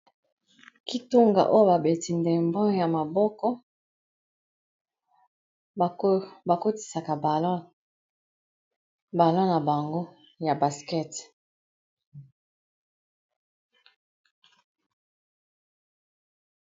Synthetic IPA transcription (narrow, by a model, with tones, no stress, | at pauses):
ki˦to˦ŋɡa̰˨ʔo˦jo˦ba˨be˨ti˨nde˨mbɔ̃˦ja˨ma˨bɔ˦kɔ˦˨ | ba˨ko˦ti̥˨sa˨ka˨bl | ba˨lɔ̃˦na˨ba˨ŋɡo˦ | ja˨ba˨skɛ˦˨t